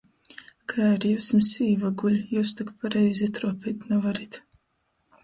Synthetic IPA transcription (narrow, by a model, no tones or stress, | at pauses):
kʰajaɾjuːsmsiːvaɡulʲjuːst̪ukpaɾɛjzʲit̪ɾuɔpʲit̪navaɾit̪